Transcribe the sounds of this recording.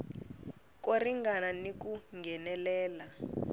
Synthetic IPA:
k̬oriŋɡananikuŋɡʱɛnɛlɛːla

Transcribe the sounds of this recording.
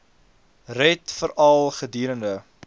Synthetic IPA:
rɛtfəɾɑlˠχədiːɾəndə

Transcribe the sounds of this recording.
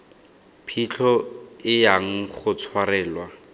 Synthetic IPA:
pʰit͡ɬʰɔɪjaŋ̩χʊt͡sʰwarɛːlwa

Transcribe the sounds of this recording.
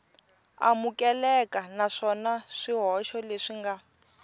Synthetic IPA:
a̰mukɛlɛkʼanaʂɔnaʂiɦɔʃɔleʂiŋɡa

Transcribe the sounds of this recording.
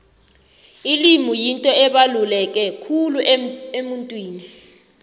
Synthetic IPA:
ilimujintʼɔɛɓalulɛk̬ʼɛkʰuluʔemuntʼwiːni

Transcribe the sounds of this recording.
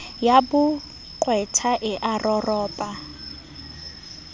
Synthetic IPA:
jabʊ | kʼwɛtʰaʔɪʔarɔrɔːpʼa

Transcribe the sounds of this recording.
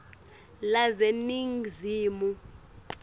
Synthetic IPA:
lazeniŋziːmu

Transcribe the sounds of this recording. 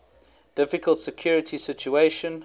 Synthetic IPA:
d̥ɪfɪkəlˠtsəkʰj̥ɔːɹɪtʰisɪt͡ʃueɪʃə̃n

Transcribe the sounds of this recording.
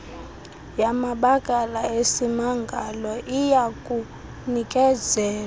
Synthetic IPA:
jamaɓakʼalaesimaŋɡʱalɔʔijakʼu | nikʼɛzɛːl

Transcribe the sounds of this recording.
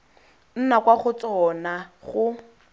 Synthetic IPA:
n̩nakwaχʊt͡sɔnaχʊ

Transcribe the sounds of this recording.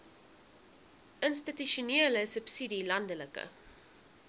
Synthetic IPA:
ənstityʃuneələsəpsidilɐndələkə̰

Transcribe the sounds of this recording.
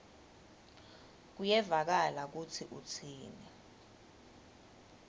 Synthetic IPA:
k̬ujɛvak̬alak̬ut͡sʰiʔut͡sʰiːnɛ

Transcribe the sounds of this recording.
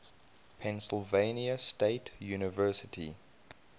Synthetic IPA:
pʰɛ̃nsəlvẽɪniəsteɪtʰjuːnɪvɜˑsɪtʰḭ

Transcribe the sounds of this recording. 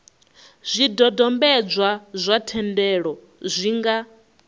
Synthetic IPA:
z̥ʷidɔdɔmbɛd͡zʷwazʷatʰɛndɛɺɔ | zʷiŋɡa

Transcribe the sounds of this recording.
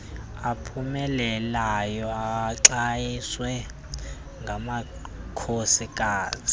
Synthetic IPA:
apʰumɛlɛlajɔaǁajiswɛ | ŋɡʱama | kʰosikʼaːt͡sʰʼi̥

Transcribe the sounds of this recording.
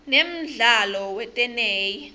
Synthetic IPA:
nem̩ɮalɔwɛtʼɛneːji

